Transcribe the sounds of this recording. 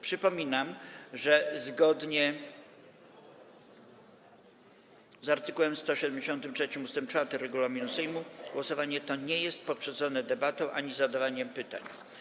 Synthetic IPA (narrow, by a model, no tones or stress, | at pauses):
pʂɘpɔmʲinamʐɛzɡɔd̪ɲɛ | zaɾt̪ɘkuwɛmst̪ɔɕɛd̪ɛmd͡ʑeɕɔnt̪ɘmtʂɛt͡ɕimust̪ɛmp̚t͡ʂfaɾt̪ɘɾɛɡulamʲinusɛjmuɡwɔsɔvaɲɛt̪ɔɲɛjɛst̪̚pɔpʂɛd̪zɔnɛd̪ɛbat̪ɔ̃w̃ʔaɲizad̪avaɲɛmpɘt̪a̰ɲ